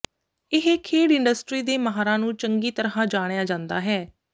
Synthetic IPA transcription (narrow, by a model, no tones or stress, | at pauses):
ɪɦekʰeːɽɪɳɖəsʈɾiːd̪eːməɦaːɾãːnũːt͡ʃəŋɡiːt̪əɾãːd͡ʒaːɽ̃ejaːd͡ʒãːnd̪aːɦɛː